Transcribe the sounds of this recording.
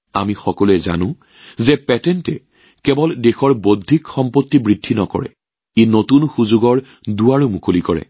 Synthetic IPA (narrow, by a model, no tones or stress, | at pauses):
a̰mixɔkɔluɛza̰nʊ̃ | zɛpɛtɛntɛ | kɛbɔldexɔɹbodʱːikxɔmpotːibɹidʱːinɔkɔ̰ɹɛ̰ | enotunxuzuɡɔɹ | duaɹumukʰolikɔɹɛ̰